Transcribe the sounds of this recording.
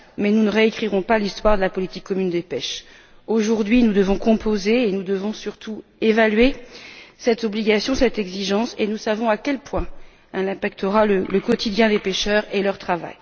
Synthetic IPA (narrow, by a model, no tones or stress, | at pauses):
mɛnunəʁeːkχiʁɔ̃palist̪waʁd̪əlapɔlit̪ikːɔmynd̪epɛʃ | oʒuʁd̪ɥinud̪əvɔ̃kɔ̃pozeːnud̪əvɔ̃syʁt̪ʰuevalɥe | sɛt̪ɔbliɡʲasjɔ̃sɛt̪ɛɡziʒɑ̃senusavɔ̃akʲɛlpwɛ̃ | ɛlɛ̃pakt̪ʰəʁalələkɔt̪ʰid̪jɛ̃d̪epeʃœʁelœʁt̪χava̰j